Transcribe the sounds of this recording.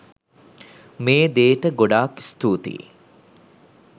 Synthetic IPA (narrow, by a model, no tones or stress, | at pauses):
meːd̪eːʈəɡoɖaːki̥st̪uːt̪ḭ